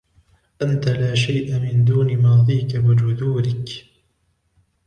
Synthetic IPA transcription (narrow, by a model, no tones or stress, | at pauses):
ʔant̪alaːʃajʔamɪnd̪uːnɪmɑːðˤiːkabɪd͡ʒʊd̪uːɾɪk